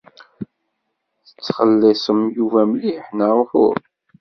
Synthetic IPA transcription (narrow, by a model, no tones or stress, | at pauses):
θə̥t͡sːχəlːɪsˤəmjuvæmliħnəɾˤfʊ̰ɾ